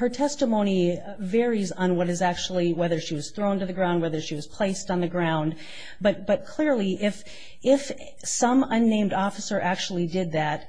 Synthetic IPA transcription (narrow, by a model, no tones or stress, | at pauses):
hə˞tʰɛstəmõʊ̃ñi | vɛɹizn̩wʌɾɨzæk̚t͡ʃul̩ˠiwɛðə˞ʃiwʌz̥θɹõʊ̃ntɨðɨɡɹãʊ̃nd̚wɛðə˞ʃiwʌz̥pʰl̥eɪstn̩ðɨɡɹãʊ̃nd | b̥ʌt̚b̥ʌt̚kʰl̥ɪɹlˠiʔɪf | ɪf | sʌ̃mʌ̃nːẽɪ̃mdɔfəsə˞ʔæk̚t͡ʃul̩ˠidɪd̪̚ðæt̚